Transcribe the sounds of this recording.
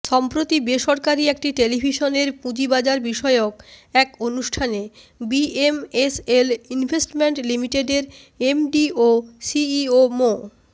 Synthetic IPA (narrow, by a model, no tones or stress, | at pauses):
ʃɔmpɾot̪ibeʃɔɾkaɾiek̚ʈiʈelibʱiʃoneɾpũd͡ʑibad͡ʑaɾbiʃɔeokɛkonuʃʈʰane | biemeselinbʱesʈmeɳʈlimiʈeɖeɾ | emɖiosiiomo